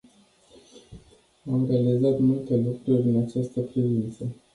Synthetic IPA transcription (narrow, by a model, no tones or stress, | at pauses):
amamɾalizat̪mult̪e̞lukɾuɾʲɨnat͡ʃast̪əpɾivint̪sə